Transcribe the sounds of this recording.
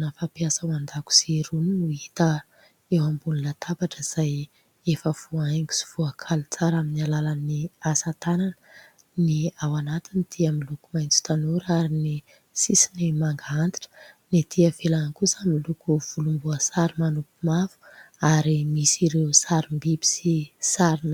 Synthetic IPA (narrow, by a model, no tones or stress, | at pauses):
nafapjasəwand̪aku̥siɾuninuit̪ə | ewambuninət̪ʰabaʈ͡ʂəiz̥aj | efəv̥uajŋɡi̥si̥v̥uakʰalut͡saɾaminalalaniasat̪anan | niawanat̪inid̪̥iamilukumajnt͡si̥t̪anuɾaɾini | sisinimaŋɡaant̪i̥ʈ͡ʂə̥nit̪ʰiəvelanakusamilukuv̥ulumbuəsaɾimanupumafu̥aɾimisiɾewsaɾimbibi̥sisaɾin